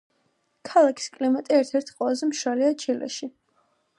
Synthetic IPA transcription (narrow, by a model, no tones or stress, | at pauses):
kʰalˠakʰi̥skʼlimat̪ʼiɛɾt̪ʰɛɾt̪ʰqʼwɛlazɛmʃwaliat͡ʃʰilɛ̰ʃi